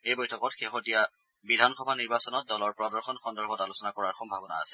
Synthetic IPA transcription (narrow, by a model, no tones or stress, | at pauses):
ejbɔjtʰɔkɔtxexotija | bidʱanxɔbʱaniɹbasɔnɔt̚dɔlɔɹpɹɔdɔɹxɔnxɔndɔɹbʱɔtalusɔnakɔɹaɹxɔmbʱabɔna̰a̰sɛ̥